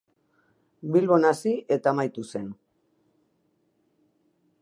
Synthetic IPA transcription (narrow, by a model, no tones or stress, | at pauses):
bilβo̞nasiʔe̞t̪aːmajt̪use̞n